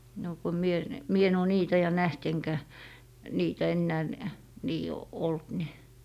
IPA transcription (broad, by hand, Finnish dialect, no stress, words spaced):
no ko mie ne mie en oː niːtæ jɑ næht eŋkæ niːtæ enːæː n niː olt ni